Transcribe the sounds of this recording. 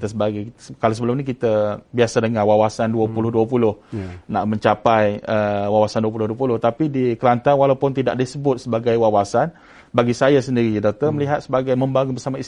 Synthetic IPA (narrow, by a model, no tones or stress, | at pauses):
t̪əsəbaɡajkalasəbəlʊmnĩkit̪abiasadəŋawawasanduəpulʊhduəpulʊhna̰ʔmə̃ɲt͡ʃapajəwawasanduəp̬ulʊhduəpulʊht̪apidikəlant̪anwalawpʊnt̪ida̰ʔdisəbʊt̪̚səbaɡajwawasan | baɡisajasəndiɾidɔk̚t̪ərməliɦat̪̚səbaɡajmə̃mbaɡuŋbərsamais